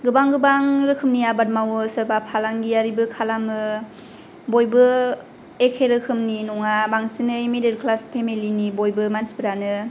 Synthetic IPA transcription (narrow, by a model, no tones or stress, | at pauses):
ɡɯbaŋɡɯbaŋɾɯkʰɯmniabat̚mawɯsɯbapʰalaŋɡiaɾibɯkʰalamɯ | bojbɯ | ekʰeɾɯkʰɯmninɔŋabaŋsinɯimided̚kʰlaspʰemilinibojbɯmansbɯɾanɯ